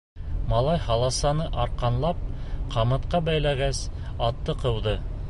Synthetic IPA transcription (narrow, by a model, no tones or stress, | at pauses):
mɑlˠɑjhɑlˠɑsɑnɤʔɑɾqɑnlˠɑp̚qʰɑmɤ̆t̪qɑbæjlæɡæsɑt̪ːɤqɤ̆wðɤ